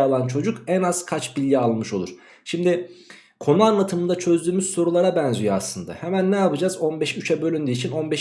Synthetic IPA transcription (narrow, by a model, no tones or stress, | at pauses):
alˠant͡ʃʰo̞d͡ʒukɛnaz̥kʰat͡ʃbilʲːialˠmɯʃo̞lˠuɾ̥ | ʃimd̪ɪ | kʰo̞nuanlˠat̪ʰɯmɯnd̪at͡ʃʰø̞zd̪yːmyz̥so̞ɾulˠaɾabɛnzyjoaslˠɯnd̪a̰hɛmænːɛjapɯd͡ʒazo̞nbɛʃyt͡ʃʰɛbø̞lʲynd̪iːt͡ʃʰino̞nbɛʃ